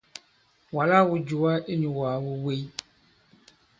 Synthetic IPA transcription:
wa˨la˦wu˨d͡ʒu˨a˦e˦ɲũ˨waː˨wu˦we˦i˦

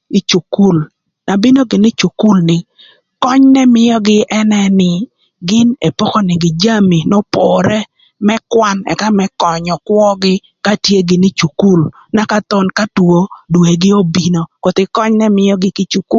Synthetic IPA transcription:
i˦t͡ʃu˨ku˦l | na˨bi˦no˦ɡɪ˨nɪ˦t͡ʃu˨ku˦lnɪ˨ | kɔ˦ɲnɛ˦mɪ˦jɔ˦ɡɪ˦ʔɛ˦nɛ˦nɪ˨ | ɡɪ˦ne˨po˦kɔ˦nɪ˨ɡɪ˨d͡ʒa˦mi˨nɔ˦pɔ˨ɾɛ˦ | mɛ˦kwa˦nɛ̰˨ka˦mɛ˦kɔ˨ɲɔ˨kwɔ˦ɡɪ˦ | ka˦tje˦ɡɪ˨nɪ˦t͡ʃu˨ku˦l | na˨˦ka˦t̪ɔ˦nka˦two˦dwe˨ɡɪ˦o˦bi˨no˦kɔ˨t̪ɪ˨kɔ˦ɲnɛ˦mɪ˦jɔ˦ɡɪ˦kɪ˦t͡ʃu˨ku˦

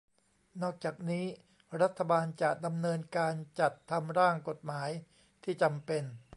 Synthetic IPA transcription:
nɔː˥˩k̚t͡ɕaː˨˩k̚niː˦˥ | ɾa˦˥t̪ʰːa˧baː˧nt͡ɕa˨˩ʔda˧mnɤː˧nkaː˧nt͡ɕa˨˩t̪ʰːa˧mɾaː˥˩ŋko˨˩t̪̚maː˩˦j | t̪ʰiː˥˩t͡ɕa˧mpe˧n

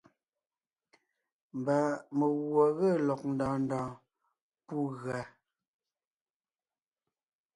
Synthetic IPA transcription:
m˨ba˨mə˨ɣwɔ˨ɣə˦˨lɔ˨k̚n̩˨dɔ̃ː˨n˦dɔ̃ː˨ | pu˦˨ɣɰa˨

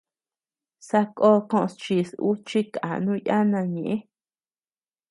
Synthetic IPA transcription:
sa˧ko˦˧kõ˦˧õ˧st͡ʃi˧su˦t͡ʃi˦ka̰˨nũ˦˧ja˦nã˧ɲẽ˨ʔẽ˦

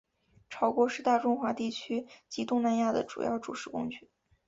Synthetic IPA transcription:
ʈ͡ʂʰɑ˧˥ʊkwɔ˧˥ʂɻ̩˥˧t̪a˥˩ʈ͡ʂʊ˥ŋxwa˧˥t̪i˥˩t͡ɕʰy˥t͡ɕi˧˥t̪ʊ˥˧ŋna˥˧nja˥˩d̪ə̰˩ʈ͡ʂṵ˨˩jɑ̰˥˩ʊʈ͡ʂṵ˨˩ʂɻ̩˥kʊ˥ŋt͡ɕy˥˩

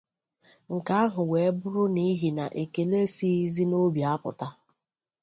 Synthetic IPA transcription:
ŋ̩˨ka˦a˦ɦʊ˨we˨˦bʊ˦ɾʊ˦ni˦ɦi˨na̰˨ʔe˨ke˨le˦si˦zi˦no˦bja˨˦pʊ̰˨ta˦

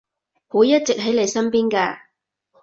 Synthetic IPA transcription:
huː˨˥jɐ˦˥t̚t͡sɪ˨k̚ɦɐ˨˥jle˨˧jsɐ˥npiː˥nkaː˧

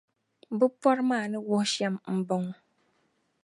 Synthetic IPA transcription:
bɨ˦pɔ˦ɾmaː˦˨nɨ˦wʊ˦hʃɛ˦mm̩˦bʊ˦ŋ˦

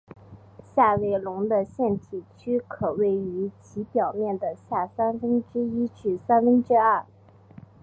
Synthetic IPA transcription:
ɕja˥˧we˥˩ɪlʊ˧˥ŋd̪ə˧ɕjɛ˥˩nt̪ʰi˨˩t͡ɕʰy˥kʰɤ˨˩we˥˩ɪy˧˥t͡ɕʰi˧˥pjɑ˨˩ʊmjɛ˥˩nd̪ə˩ɕja˥˩sa˥nfə˥nʈ͡ʂɻ̩˥i˥ʈ͡ʂ̩˥˩sa˥nfə˥nʈ͡ʂɻ̩˥ɐ˥˩

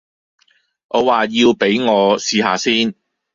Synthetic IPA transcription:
ŋʔɔː˨˧waː˨jiː˧wpe˨˥jŋɔː˨˧siː˨haː˨˧siː˥n

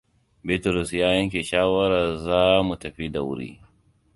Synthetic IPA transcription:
be˦tɐ˨ɾʊ˨sjaː˦jɐ˦ŋk̬ʲe˨ʃaː˦wɐ˦ɾa˨zaː˦mu˨tɐ˨ɸi˦da˨wʊ̰˦ɾḭː˦

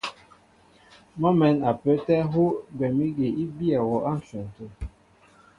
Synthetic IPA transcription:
mɔ˦mɛ˨˦na˨pə˨˦tɛ˦ɦo˦ɡwɛ˨mi˦ɡe˨i˦bi˦a˨wɔ˨ʔa˦˨m̩˨fɛ˨n˨to˨

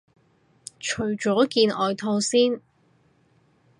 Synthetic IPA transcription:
t͡ʃʰɵ˨˩ɥt͡ʃɔː˨˥kiː˧nʔɔː˨˧jt̪ʰo˧wsiː˥n

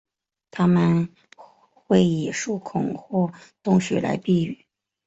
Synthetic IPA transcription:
t̪ʰa˥mə˨n | xwe˥˩ɪi˨˩ʂu˥˩kʰʊ˨˩ŋxwɔ˥˩t̪ʊ˥˧ŋɕɥɛ̰˧˥la̰˧˥ɪpi˥˧y˥˩

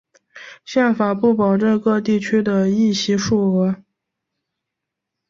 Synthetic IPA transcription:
ɕjɛ˥˩nfa˨˩pu˥˩pɑ˨˩ʊʈ͡ʂə˥˧nkɤ˥˧t̪i˥˩t͡ɕʰy˥d̪ə˨i˥˩ɕi˧˥ʂu˥˩xɤ˧˥

